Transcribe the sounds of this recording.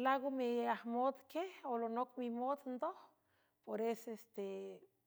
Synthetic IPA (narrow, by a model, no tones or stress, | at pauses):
laɡomiahmod̪keholonokmimod̪nd̪oh | poɾesest̪e